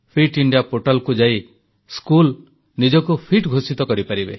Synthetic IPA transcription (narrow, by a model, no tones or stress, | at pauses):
pʰiʈiɳɖijapoʈalkud͡ʒai | skul | nid͡ʒɔkupʰiʈɡʱosit̪ɔkɔɾipaɾibe